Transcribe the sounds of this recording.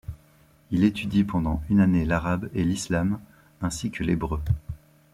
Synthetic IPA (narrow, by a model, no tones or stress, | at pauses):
ilet̪yd̪ipɑ̃d̪ɑ̃ynanelaʁabelislam | ɛ̃sikʰəlebʁø